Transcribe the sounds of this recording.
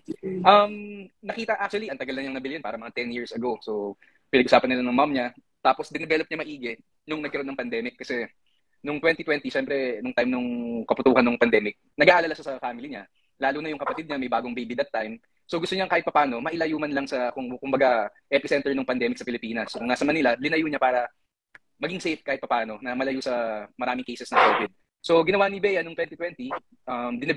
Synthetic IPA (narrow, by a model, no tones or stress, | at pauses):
ʔɐmnɐkiːt̪ɐʔak̚t͡ʃuɐliʔɐnt̪ɐɡɐlnɐɲaŋɐbɪljonpaːɾɐmɐŋat̪ɛnjiɹsɐɡo̞so | pɪnɐɡ̚ʔʊsaːpɐnːɪlanɐŋmamɲa | t̪aːposd̪ɪnɛbɛlop̚ɲɐmɐʔiːɡɛ | nʊŋnɐɡ̚kɐɾonɐŋpɐnd̪ɛːmɪkːɐsɛ | nʊŋt̪wɛnt̪it̪wɛnt̪iʃɛmpɾɛnʊŋt̪ajmnʊŋkɐpʊt̪uːhɐnːʊŋpɐnd̪ɛːmɪk̚nɐɡaːʔɐlɐlaʃasɐfaːmɪliɲa | laːlunɐjʊŋkɐpɐt̪id̪̚ɲɐmɐjbaːɡoŋbejbid̪ɐt̪ːajm | soɡʊst̪oɲaɐŋkaːhɪt̪̚pɐpaːno̞mɐʔɪlɐjuːmɐnlɐŋsɐkʊŋkʊmbɐɡaʔɛpɪsɛnt̪ɛɹnoŋpɐnd̪ɛːmɪksɐpɪlɪpiːnɐskʊŋːnasɐmɐnilɐlɪnɐjuɲapaːɾɐ | mɐɡiŋsejfkaːhɪt̪̚pɐpaːno̞nɐmɐlɐjusɐmɐɾaːmɪŋkejsɛsnɐŋkoːvɪd̪̚ | so̞ɡɪnɐwanibɛːjɐnʊŋt̪wɛnt̪it̪wɛnt̪i | ʔɐmd̪ɪnɐ